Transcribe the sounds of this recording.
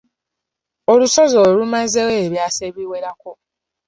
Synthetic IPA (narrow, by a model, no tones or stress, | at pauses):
olusozoːlumazeweːβjaːseːβiweɾako